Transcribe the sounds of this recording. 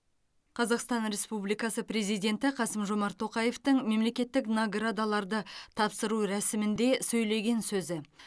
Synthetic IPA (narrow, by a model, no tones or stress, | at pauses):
qʰɑzɑqst̪ɑnɾe̞spublijkɑsəpɾe̞zijd̪ʲe̞nt̪ɪqʰɑsəmʒo̞mɑɾt̪ʰːo̞qɑje̞ft̪əɴme̞mle̞kʲe̞t̪ːɪknoɡrad̪alˠɑɾd̪ət̪ʰɑpsəɾuɾæsɪmɪnd̪e̞sɵjle̞ɡʲe̞nsɵzɪ